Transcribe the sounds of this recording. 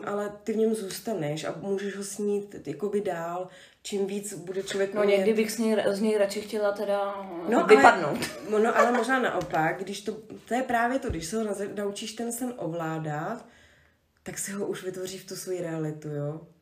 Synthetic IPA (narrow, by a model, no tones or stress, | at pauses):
ʔalɛt̪ɪvɲɛmzuːst̪anɛʃʔa̰muːʒɛʒɦosɲiːt̪jako̞bɪdaːl | t͡ʃimviːt͡sbudɛt͡ʃlovjɛkmaɲɛɡdɪbɪxzɲɛjzɲɛjɾat͡ʃɪxcɛlat̪ɛdanoʔaɪlɛpadnowt̪noʔalɛmoʒnaːna̰ʔo̞paɡ̚ɡdɪʃt̪o̞t̪ojɛpɾaːvjɛt̪oɡdɪʃsɛɦoaznaut͡ʃiːʃt̪ɛnsɛnʔovlaːdat̪ː | aksɪɦoʔuʃvɪt̪vo̞riːft̪usvo̞jiɾɛalɪt̪ujoː